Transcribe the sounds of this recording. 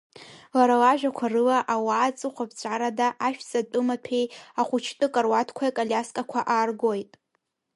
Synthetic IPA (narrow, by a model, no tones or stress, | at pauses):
laɾalaʒᶣakʷʰarɨlaʔawaːt͡sʼɨχʷapʰt͡ɕʷʼaɾadaʔaʃᶣzʼatʼɨmapʰejaχʷʊt͡ʃʰtʼɨkʼarwatʰkʷʰajkʼalʲaskʼakʷʰaʔaːrɡojtʼ